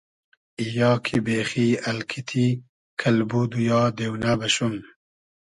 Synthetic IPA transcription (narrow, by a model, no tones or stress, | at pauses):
ijɑːkʰibeːxiːɐlkʰit̪ʰi | kʰɐlbud̪ujɑːd̪ewnabɐɕum